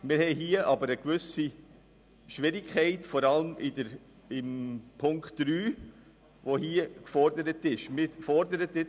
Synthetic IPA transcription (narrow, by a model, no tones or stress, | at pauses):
mɪɾhɛɪɦiəʔɑbəɾəkʋʏsi | ʃʋɪɾɪkχɛɪtfɔɾɑləmɪdəɾ | ɪmpʰʊŋkχtd̥ɾyː | ʋohiːəkfɔɾdəɾətɪʃmɪɾfɔɾdəɾətɪ